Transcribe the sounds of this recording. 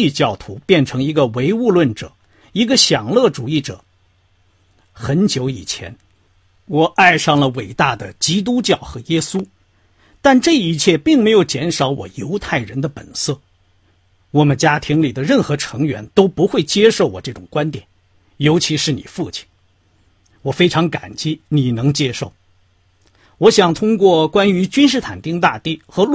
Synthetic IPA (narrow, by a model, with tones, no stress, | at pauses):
i˥˧t͡ɕjɑ˥˩ʊt̪ʰu˧˥pjɛ˥˩nʈ͡ʂʰɤ˧˥ŋi˧˥ɡə˧we˧˥ɪu˥˧lwə˥˩nʈ͡ʂɤ̰˨˩˦ | i˧˥ɡə˧ɕjɑ˨˩ŋlɤ˥˩ʈ͡ʂu˨˩i˥˩ʈ͡ʂɤ̰˨˩˦ | xə˧˥nt͡ɕjo˧˥ʊi˨˩t͡ɕʰjɛ̰˧˥n | wɔ˨˩ʔa˥˧ɪʂɑ˥˩ŋlə˩we˨˩ɪt̪a˥˩d̪ə˩t͡ɕi˥t̪̬u˥t͡ɕjɑ˥˩ʊxɤ˧˥jɛ˥su˥ | t̪a˥˧nʈ͡ʂɤ˥˩i˧˥t͡ɕʰjɛ˥˧pi˥˩ŋme˧˥ɪjo˨˩ʊt͡ɕjɛ˧˥nʂɑ˧˥ʊwɔ̰˨˩jo˧˥ʊt̪ʰa˥˩ɪɻə˧˥nd̪ə˧pə̰˨˩nsɤ˥˩ | wɔ˨˩mə˦nt͡ɕja˥t̪ʰi˧˥ŋli˨˩d̪ə˦ɻə˥˩nxɤ˧˥ʈ͡ʂʰɤ˧˥ŋɥɛ̰˧˥nt̪o˥ʊpu˧˥xwe˥˩ɪt͡ɕjɛ˥ʂo˥˩ʊwɔ˨˩ʈ͡ʂɤ˥˩ʈ͡ʂʊ˨˩ŋkwa˥nt̪jɛ˨˩˦n | jo˧˥ʊt͡ɕʰi˧˥ʂɻ̩˥˩ni˨˩fu˥˩t͡ɕʰi̥˨˩˦n | wɔ˨˩fe˥ɪʈ͡ʂʰɑ˧˥ŋka˨˩nt͡ɕjɛ˥˩ni˨˩nɤ˧˥ŋt͡ɕjɛ˥ʂo˥˩ʊ | wɔ˧˥ɕjɑ˨˩ŋt̪ʰʊ˥ŋkwɔ˥˩kwa˥ny˧˥t͡ɕy˥nʂ̬ɻ̩˥˩t̪ʰa̰˨˩nt̪i˥ŋt̪a˥˧t̪i˥˩xɤ˧˥